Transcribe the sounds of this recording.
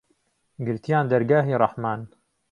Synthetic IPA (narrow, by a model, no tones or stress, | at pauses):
ɡɪɾt̪ijaːnd̪ɐɾɡaːɦiːɾˤɑħmaːn